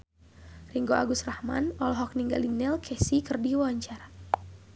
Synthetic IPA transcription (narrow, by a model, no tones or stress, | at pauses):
riŋɡoʔa̰ɡust̪rahma̰nɔlɔɦɔk̚niŋɡa̰linɛlkʰɛsikɨrdiwaaɲt͡ʃara